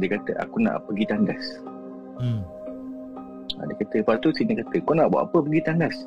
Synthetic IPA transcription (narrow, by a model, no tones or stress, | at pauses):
dekat̪əʔa̰kunã̰ʔpəɡit̪andas | a̰dekat̪əpat̪usinəkat̪əkɔnaʔbwa̰ʔapəpəɡit̪andas